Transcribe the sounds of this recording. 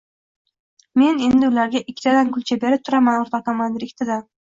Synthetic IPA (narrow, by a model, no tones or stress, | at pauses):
me̞ne̞nd̪ɪʊlaɾɡʲaʔɪkʲʰːɪt̪ʰad̪ankʰʊlt͡ʃʰabe̞ɾɪp̚t̪ʰʊɾamanoɾt̪ʰɑt̪amand̪ɪɾɪkʲt̪ʰɪd̪a